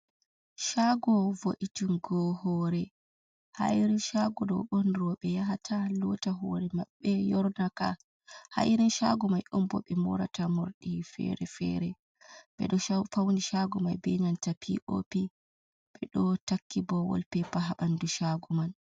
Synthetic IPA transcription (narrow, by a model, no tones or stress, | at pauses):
ʃaɡɔvoʔitunɡɔhɔːɾɛ | ha̰jɾinʃaɡɔdɔ̰wɓɔnɾɔɓɛjaɦatʰalɔtaɦɔɾɛmaɓːɛjɔɾnaka | ha̰jɾinʃaɡɔmajʔɔmbɔ̰ɓɛmɔ̰ɾa̰tamoɾɗifɛ̰ɾɛfɛ̰ɾɛ | ɓɛ̰ɗɔfawniʃaɡɔmajbɛɲantapʰḭʔo̰pi | ɓ̥ɛɗɔtakːibɔwɔ̰lpɛpaɦaɓanduʃaɡuman